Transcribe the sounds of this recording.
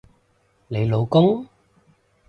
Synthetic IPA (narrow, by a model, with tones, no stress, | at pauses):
le˨˧jlo˨˧wkʊ˦˥ŋ